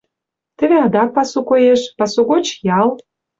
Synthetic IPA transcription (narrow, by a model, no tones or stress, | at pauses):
t̪ə̆βeɑd̪ɑk̚pɑsukojeʃpɑsuɣot͡ɕjɑl